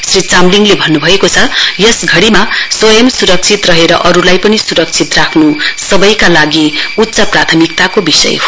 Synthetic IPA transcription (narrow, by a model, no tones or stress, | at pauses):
srit͡samliŋlebʱʌnːubʱʌekot͡sʰʌjʌsɡʱʌɽimaswʌjʌmsuɾʌk̚t͡sʰit̪rʌɦeɾʌʔʌɾulajpʌnisuɾʌk̚t͡sʰit̪rakʰnusʌbʌjkalaɡiut̪ːsʌprat̪ʰʌmikt̪akobisʌ̰jɦo